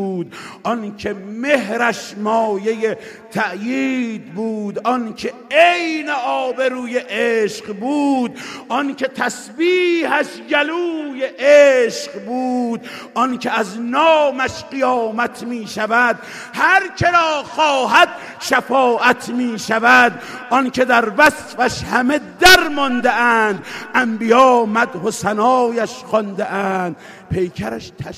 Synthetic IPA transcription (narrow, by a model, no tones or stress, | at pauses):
d̪̚ʔɔnkʰeme̞ɦɾæʃmɒːje̞je | t̪ʰæʔjiːd̪̚buːd̪ʔɒnkʰe | ejneɒːbe̞ɾuːjeʔeːʃqbuːd̪̚ʔɔnkʰe̞t̪ʰæsbiːhæʃjæluːjeʔeʃqbuːd̪ʔɔnkʰeæznɒːmæʃqijɒːmæt̪ʰmiːʃævæd̪ | hæɾkʰeɾɒːxɒːɦæd̪ | ʃafɒːʔæt̪ʰmiːʃævæd̪ | ʔɔnkʰe̞d̪æɾvæsfæʃhæmed̪æɾmɒnd̪eʔænd̪ʔæmbijɒːmæd̪hosænɒːjæʃxɔnd̪eʔæːnd̪ | pʰe̞jkʰæɾæʃt̪ʰæʃ